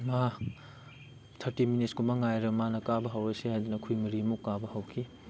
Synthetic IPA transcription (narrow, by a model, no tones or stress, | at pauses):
ma | tʰɐɾtiminit̚kumaŋajɾɐmanɐkabɐɦɐwɾɐsihajdinɐkʰujmɐɾimukːabɐhɐwkʰi